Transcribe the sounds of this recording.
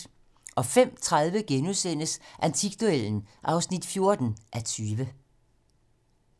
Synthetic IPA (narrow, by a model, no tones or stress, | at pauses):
ʔɒ̽fem̰t͡sʰʁaðˠʋəɡ̥enusen̰əsʔænt͡sʰiɡ̥̚d̥ueln̩ʔɑ̈ʊsnid̥fjo̝ɐd̥n̩ʔæt͡sʰyːʋə